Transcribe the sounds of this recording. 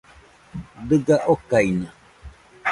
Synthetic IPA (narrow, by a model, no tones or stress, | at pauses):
d̪ɨɡaʔokainã